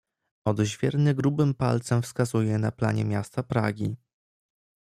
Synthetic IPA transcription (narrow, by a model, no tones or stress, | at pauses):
ɔd̪ʑvʲjɛɾnɘɡɾubɘmpa̰lt̪sɛmfskazujɛnaplaɲɛmʲjast̪apɾa̰ɡʲi